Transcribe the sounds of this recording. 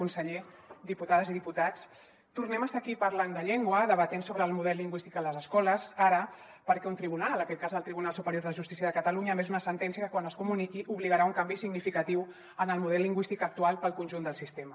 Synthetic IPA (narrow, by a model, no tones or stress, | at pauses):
unsəʎe | d̪iput̪aðəziðiput̪at͡s | t̪urnɛməst̪akipəɾland̪əʎɛŋɡwəðəβət̪ensoβɾəːlˠmuðɛlːiŋɡwist̪ikələzəskɔləzaɾə | pəɾkɛunt̪ɾiβunallnəkɛt̪̚kazðəlˠt̪ɾiβunalˠsupəɾjoɾðəʒust̪i̥siəðəkət̪əluɲəmezunəsənt̪ɛnsiəkəkwanəskumunikiʔuβliɣəɾauŋkambisiɡnifikət̪iw | ənəlˠmuð̞ɛlːiŋɡwist̪ikək̚t̪ualˠpəlˠkunʲʒund̪əlˠsist̪emə